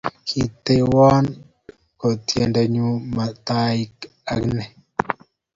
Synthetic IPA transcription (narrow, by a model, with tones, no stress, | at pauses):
kʰi˨t̪e˦wa˦n | kɔ˨t̪je˨nda˨ɲu˦ma˨t̪a˦i˦k | a˨ɡnɛ˨